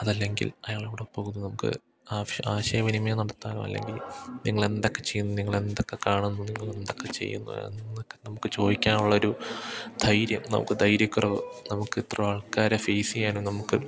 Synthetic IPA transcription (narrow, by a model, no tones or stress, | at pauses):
ɐðɐlːe̞ŋɡḭlɐjaːɭiʋiɽepo̞ːɣunːunɐmukːɨ̰ | aːaːɕɐjɐʋinimɐjɐnɐɽɐt̪ːaːlṵmɐ̰lːḛŋɡilniŋːɐɭe̞nd̪o̞kːe̞t͡ɕe̞jːunːuniŋːɐɭe̞nd̪o̞kːe̞kaːɳunːuniŋːɐɭe̞nd̪o̞kːe̞t͡ɕḛjːṵnːṵnːokːenɐmukːɨt͡ɕo̞ːðikʲːaːnuɭːɐo̞ɾud̪̥ʱɐjɾjɐmnɐ̰mṵkːɨd̪ʱɐjɾjɐkːurɐʋɨ̰nɐmukːɨit̪ːrɐʋaːɭkaːɾɐfejsijaːnunɐmukːɨ